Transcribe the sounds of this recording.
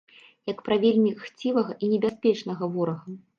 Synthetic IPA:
jɐkpɾavʲelʲmʲixt͡sʲivɐɣɐʔinʲɛbʲaspʲɛt͡ʂnɐɣɐvɔɾɐɣɐ

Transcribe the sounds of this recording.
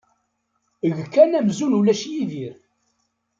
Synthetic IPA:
əʝkːænæmzunulæʃjiðiɾ

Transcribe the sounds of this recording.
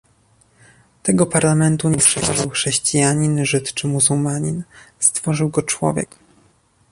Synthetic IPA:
t̪ɛɡɔpaɾlamɛnt̪uɲɛsʂɛɾɔvawxʂɛɕt͡ɕijaɲinʐɘt̪t͡ʂɘmuzulmaɲinst̪fɔʐɘwɡɔt͡ʂwɔ̰vʲjɛ̰k

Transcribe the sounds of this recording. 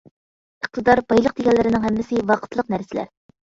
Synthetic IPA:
əq̚t̪ʰɨd̪ɑɾbɑjlˠəq̚d̪ekʲɛnlːɪɾɪnɪŋɦɛmːɪsɪwɑqʰə̥t̪ʰlˠəq̚næɾsɪlæ̰ɾ

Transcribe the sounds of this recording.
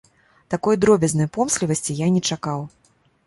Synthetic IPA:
t̪akɔjd̪ɾɔbʲɛznɐjpɔmsʲlʲivɐsʲt͡sʲijanʲɛt͡ʂakaw

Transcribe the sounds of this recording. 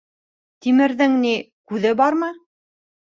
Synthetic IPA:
t̪imɘ̆ɾðɘŋni | kʉðɘbɑɾmɤ

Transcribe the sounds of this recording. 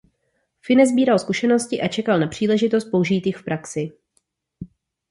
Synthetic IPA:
fɪnɛzbiːɾalskuʃɛno̞scɪʔat͡ʃɛkalnapr̝̥iːlɛʒɪt̪o̞st̪̚pouʒiːt̪jɪxfpɾʔaksɪ

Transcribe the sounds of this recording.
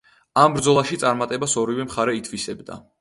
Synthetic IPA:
ambɾd̪zɔlˠaʃit̪sʼaɾmat̪ʼɛbasɔɾivɛmχaɾɛit̪ʰvisɛbd̪a̰

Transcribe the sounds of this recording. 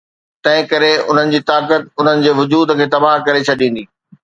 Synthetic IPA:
t̪ɐ̃ɦɪ̃kɐɾeʊ̰n̤ənɪ̆d͡ʑiːt̪aːkət̪̚ʊn̤ənɪ̆d͡ʑeːʋʊd͡ʑuːd̪kʰeːt̪ɐbaɦkɐɾet͡ɕʰɐɗĩːn̆d̪iː

